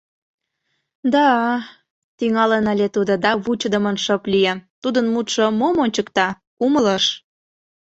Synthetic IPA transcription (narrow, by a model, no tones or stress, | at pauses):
d̪ɑ | t̪iŋɑlenɑlʲet̪ud̪od̪ɑβut͡ɕəd̪ə̆mənʃɤplijet̪ud̪ənmut̪ʃomomonʲt͡ɕəkt̪ɑ | kumələʃ